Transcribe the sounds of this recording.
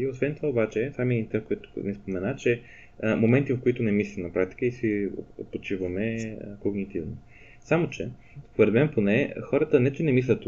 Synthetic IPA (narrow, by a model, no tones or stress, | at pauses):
iosvɛnt̪ovaobat͡ʃɛsamɛd̪int̪ɛkojɛt̪ʊ̥nɛspomɛnat͡ʃɛ | momɛnt̪ivɐfkoit̪ʊnɛmislʲimnɐpɾak̚t̪i̥kəisio̰pot͡ʃivɐmɛkoɡnit̪ivno | samot͡ʃɛ | poɾɛd̪mɛnponɛxɔɾət̪ənɛt̪onɛmislʲɐt̪